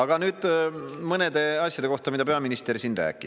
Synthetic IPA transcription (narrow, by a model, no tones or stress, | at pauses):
ɑɡ̥ɑnyːd̪̥mɤne̞d̪e̞ɑsʲjɑd̪eo̞ht̪ɑmid̪ɑpe̞ɑminist̪e̞rsiːnræ̰ːkːˑi